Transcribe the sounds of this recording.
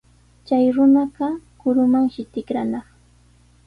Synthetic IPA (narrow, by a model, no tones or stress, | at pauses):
t͡ʃajɾʊnaɢɑkʊɾʊmaŋʃɪt̪ɪkɾanɑχ